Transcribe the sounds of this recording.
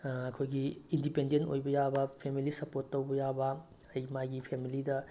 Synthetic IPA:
ɐkʰojɡiindipendento̰jbɐjabɐpʰemilisɐpoɾtːɐwbɐjabɐ | ɐjmajɡipʰemilidɐ

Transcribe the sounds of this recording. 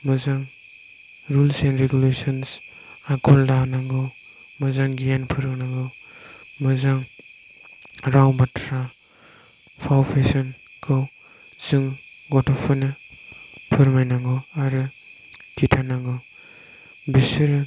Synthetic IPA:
mɯzaŋ | ɾulsenɾeɡulesɔns | akʰɔldanaŋɡɯw | mazaŋɡijanpʰɯɾɡɯnaŋɡɯwmɯzaŋ | ɾawbatʰɾa | pʰawpʰesɔnkʰɯw | zɯŋɡɔtʰɔpʰɯnɯ | pʰɯɾmajnaŋɡɯaɾɯ | kʰitʰanaŋɡɯw | bisɯɾ

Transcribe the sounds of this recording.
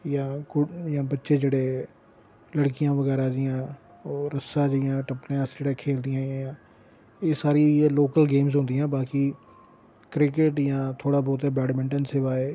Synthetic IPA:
jãːkʊjãːbətːʃeːd͡ʒeːɽeː | ləɽkɪjãːʋəɡɛːɾaːd͡ʒɪjãː | oːɾəsãːd͡ʒɪjãːʈəpneãːsd͡ʒeːɽãːkʰeːld̪ijãːjjãː | eːsaːɾiloːkəlɡeːmzɦʊ̃nd̪ijãːbaːkiː | kɾɪk̬ɪʈjãːt̪ʰoːɽaːbɔːt̪eːbɛːɽmɪ̃ɳʈənseːʋaːeː

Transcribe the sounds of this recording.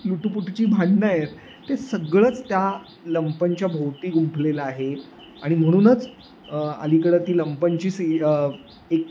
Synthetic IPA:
luʈupuʈt͡ɕiːbʱaɳnəjet̪ː | esəɡɭət͡st̪ja | ləmpəɲt͡ɕjabʱowt̪iːɡumpʰlelaaɦe | a̰ɽ̃im̤əɽ̃uːnət͡s | ə̰likəɽət̪iːləmpəɲt͡ɕiːs | ek

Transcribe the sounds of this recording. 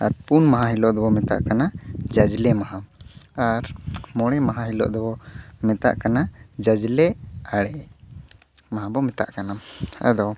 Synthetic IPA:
aɾpunmaɦãɦilɔʔd̪ɔbɔmɛt̪a̰ʔkanad͡ʒad͡ʒlɛmaɦaaɾmɔɽ̃ɛmaɦãɦilɔ̰ʔd̪ɔbɔmɛt̪a̰ʔkanad͡ʒad͡ʒlɛaɽɛ | maɦãbɔmɛt̪a̰ʔkanaa̰d̪ɔ

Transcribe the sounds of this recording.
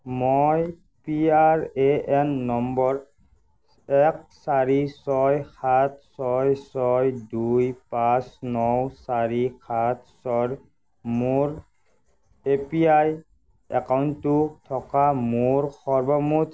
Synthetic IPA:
moj | piaɹeɛnːɔmbɔɹ | ɛk̚saɹisɔjxat̚ʰsɔjsɔjdujpasnɔwsaɹixat̚ʰsɔɹ | moɹ | epiaj | ɛ̰kawntːʊtʰɔkamuɹxɔɹbɔmut

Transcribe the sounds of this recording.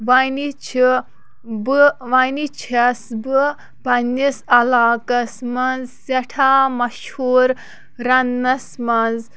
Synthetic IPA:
ʋɐjnit͡ʃʰi | bɨʋɐjnit͡ʃʰɐsbɨ | pɐnːisɐlaːkɐsmɐnzsɐʈʰaːmɐʃhuːɾ | ɾɐnːɐsmɐnz

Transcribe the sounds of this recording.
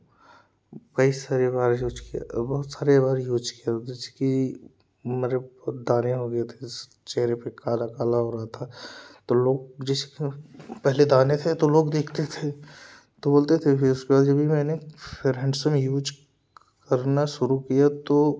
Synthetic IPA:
kɐisaːɾebaːɾjuːd͡ʒkija̰bɔɦʊt̪saːɾebaːɾjuːd͡ʒkijaɪski | meɾed̪aːneɦoːɡɐet̪ʰe | t͡ʃɛɦɾepekaːlakaːlaɦoːɾɐɦat̪ʰat̪oloːɡ̚d͡ʒɪskepɛɦled̪aːnet̪ʰet̪oloːɡd̪eːkʰt̪et̪ʰe | t̪oboːlt̪et̪ʰeʊskebaːd̪d͡ʒɐbʱimɛːnefeɾɛ̃ɳɖsmẽjuːd͡ʒ | kɐɾnaʃʊɾukijat̪o

